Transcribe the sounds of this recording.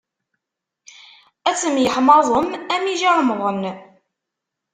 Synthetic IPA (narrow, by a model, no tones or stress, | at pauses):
æt͡sːəmjəħmɑðˤəmæmiʒaɾmʁən